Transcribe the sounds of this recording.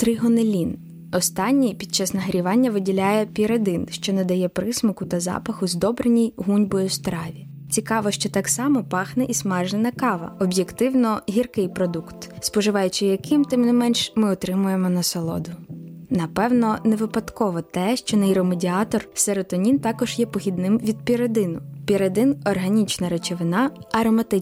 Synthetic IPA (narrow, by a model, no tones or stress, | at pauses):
t̪ɾɪɦɔnelʲin | ɔst̪ɑnʲːijpʲid̪̚t͡ʃɑsnɐɦɐɾʲiʋɑnʲːɐʋɪdʲilʲajɛpʲiɾed̪ɪnʃt͡ʃɔnɛd̪ɐjɛpɾɪsmɔkʊt̪ɐzɑ̰pɐxʊzd̪ɔbɾenʲijɦunʲbɔjɔst̪ɾɑʋʲi | t͡sʲikɑʋɔʃt͡ʃɔt̪ɑksɑmɔpɑxnɛʔismɛʒnenɐkɑʋɐ̰ɔbjekt̪ɪwnɔɦʲirkɪjpɾɔd̪ukt̪spɔʒɪʋɑjʊt͡ʃɪjɐkɪmt̪ɪmnɪmɛnʃmɪɔt̪ɾɪmʊjemɔnɐsɔlˠɔ̰d̪ʊnɐpɛwnɔneʋɪpɐd̪kɔʋɔt̪ɛʃt͡ʃɔnɛjɾɔmedʲiɑt̪ɔrseɾɔt̪ɔnʲint̪ɑkɔʒjɛpɔxʲid̪nɪmʋʲid̪̚pʲiɾed̪ɪnʊpʲiɾed̪ɪnɔrɦɐnʲit͡ʃnɐɾet͡ʃeʋɪnɑɐɾɔmɐt̪ɪ